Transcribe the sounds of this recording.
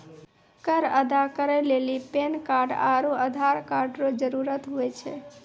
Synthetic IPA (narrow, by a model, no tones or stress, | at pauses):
kəɾəd̪akəɾelelipenkaɾɖa̰ɾuəd̪ʱaɾkaɾɖɾod͡ʒəɾuɾət̪ɦoet͡ʃʰḛ